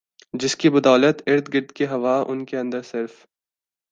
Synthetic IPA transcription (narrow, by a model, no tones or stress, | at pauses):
d͡ʒɪskibɐd̪ɔːlət̪ɪɾt̪ɡɪɾd̪keɦɐʋaʔʊnkeɐ̃nd̪əɾsɪɾf